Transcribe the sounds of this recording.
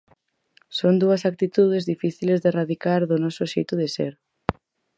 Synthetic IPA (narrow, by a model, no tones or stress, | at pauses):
sond̪uɐsak̚t̪it̪uð̞ezðifiθilezðeraðikaɾðʊnɔsʊʃejt̪ʊðesḛɾ